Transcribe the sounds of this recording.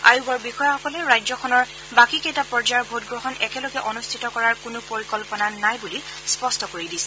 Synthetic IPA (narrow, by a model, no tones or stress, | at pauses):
a̰jubɔɹbixɔjaxɔkɔlɛɹajzɔxʰɔnɔɹ | bakikejtapɔɹd͡ʒaɹbʱotɡɹɔɦɔnɛkɛlɔɡɛʔɔnustʰitɔkɔɹaɹkʊnʊpoɹikɔlpɔnanajbulispɔstɔkoɹidisɛ̥